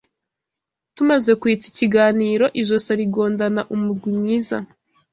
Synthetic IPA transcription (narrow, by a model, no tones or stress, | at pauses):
tumaze̞kuit͡siciɡaːniːɾo̞ʔiʒosaɾiɡo̞ːndanaʔumuɾɡwimɲiːza